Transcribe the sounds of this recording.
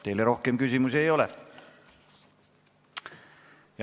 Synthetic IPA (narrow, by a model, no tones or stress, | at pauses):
t̪eilerohkemkysimysejole | jɑ